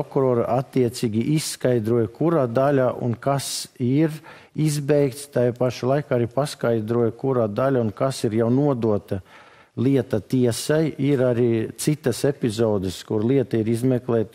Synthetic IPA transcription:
pokuɾoːɾa̰ʔat̪ːiɛt̪sʲiːɡʲiʔisːkajd̪ɾuɔjkuɾaːd̪alʲaʔṵnkasiɾ | izbɛjk̚t̪st̪ajpaʃalˠajkaːaɾipaskajd̪ɾuɔjkuɾaːd̪alʲaunkasiɾjawnuɔd̪uɔt̪ɐ | lˠiɛt̪ɐt̪iɛsajiɾaɾiːt̪sit̪ɐsepʲizɔːd̪əskuɾlˠiɛt̪ɐiɾizmɛklˠɛːt̪

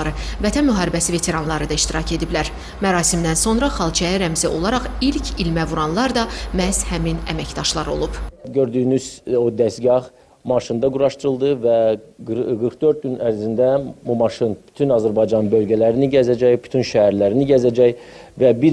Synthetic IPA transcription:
ɾɯvæt̪ʰænmyɦɑːɾibæsive̞t̪ʰe̞ɾɑnlˠɑɾɯd̪ɑiʃt̪iɾɑcʰe̞d̪iblæɾ | mæɾɑːsimd̪ænso̞nɾɑχɑlˠt͡ʃʰæjæɾæmziʔo̞lˠɑɾɑχilcʰilmævuɾɑnlˠɑɾd̪ɑmæz̥hæminæ̰mæcd̪ɑʃlˠɑɾo̞̰lˠub̥ɟøɾd̪yːynyz̥od̪æst̪ɡɑχ | mɑʃɯnd̪ɑɡuɾɑʃt̪ɯɾɯlˠd̪ɯvæ | ɡɯɾxd̪ø̞ɾt̪̚ɡynæɾzind̪æbumɑʃɯnb̥y̥t̪ʰynɑzæɾbɑjd͡ʒɑnbø̞lˠɟælæɾiniɟæzæd͡ʒæjby̥t̪ʰynʃæhæɾlæɾiniɟæzæd͡ʒæjvæbi

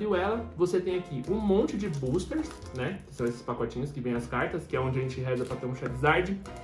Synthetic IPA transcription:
viwɛlɐvoset̪ẽj̃akiʔũmõnt͡ʃɪd͡ʒɪbust̪eɾs | nɛkɪ̥sɐ̃w̃esɪ̥spakɔt͡ʃĩɲʊskɪvẽj̃ɐskaɾt̪ɐskɪɛõd͡ʒɪɐʒẽnt͡ʃɪɦɛzɐpɾɐt̪eɾũʃad͡ʒɪzaɾd͡ʒɪ

